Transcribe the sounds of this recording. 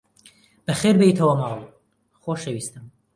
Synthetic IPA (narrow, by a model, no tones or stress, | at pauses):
b̥ɐxeːɾbeit̪ʰɐwɐmɑːlˠ | xoːʃɐwiːst̪ɨm